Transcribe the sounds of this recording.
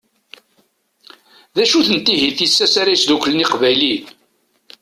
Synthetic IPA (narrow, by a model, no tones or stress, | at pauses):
ðæʃuθənt̪ːiɦiθisːæsaɾajsd̪ukləniqvæjlin